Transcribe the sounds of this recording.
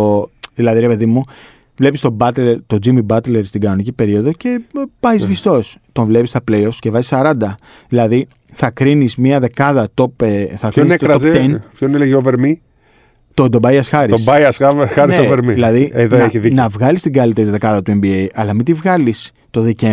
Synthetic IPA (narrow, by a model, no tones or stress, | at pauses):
ðilɐðiɾepe̞ðimu | vle̞pist̪obɐt̪leɾt̪o̞d͡zimibɐt̪leɾst̪iɡɐno̞nicipe̞ɾio̞ðo̞ce̞pɐjzvist̪o̞st̪o̞ɱvle̞pist̪ɐple̞jofsce̞vɐzisɐɾɐnd̪ɐ | ðilɐði | θɐkɾinizmiɐðe̞kɐðɐt̪o̞peθɐkɾininet̪oɾɐozet̪enpçoneleʝoveɾmi | t̪od̪obɐiɐsxɐɾiosbɐjɐsɐxɐɾinseoveɾmiðilɐðieðoeçiðinɐvɣɐlist̪iɡɐlit̪eɾiðe̞kɐðɐt̪ue̞mbiejʔɐlɐmit̪ivɣɐlis | t̪o̞ðice